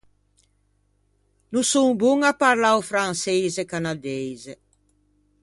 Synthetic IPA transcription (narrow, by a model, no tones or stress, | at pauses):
nusuŋbuŋapaɾlawfɾansejzekanad̪ejze